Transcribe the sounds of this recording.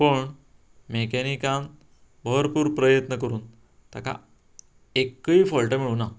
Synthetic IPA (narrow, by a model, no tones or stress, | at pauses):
pəɳ | mekɛnikãn | bʱəɾpuːɾpɾəjət̪nəkəɾuːn | t̪a̰ka̰ | ekːəifɔɭʈəmiɭuːna